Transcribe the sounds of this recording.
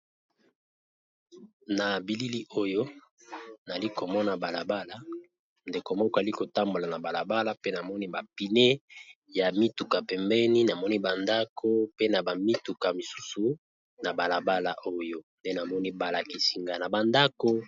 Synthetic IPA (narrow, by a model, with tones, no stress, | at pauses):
na˨bi˨li˦li˦ʔo˦jo˦ | na˨li˦ko˨mɔ˦na˨ba˨la˨ba˦la˨ | nde˨ko˨mɔ˦kɔ˦˨a˨li˦ko˨ta˦mbo˨la˨na˨ba˨la˨ba˦la˦pe˦na˨mɔ˦ni˦ba˨pi˨ne˦ | ja˨mi˦tu˨ka˨pɛ˨mbɛ˦ni˦na˨mɔ˦ni˦ba˨nda˦kʰo˦pe˦na˨ba˨mi˦tu˨ka˨mi˨su˦su˨ | na˨ba˨la˨ba˦la̰˨ʔo˦jo˦nde˦na˨mɔ˦ni˦ba˨la˨ki˨si˨ŋɡa˨na˨ba˨nda˦ko˦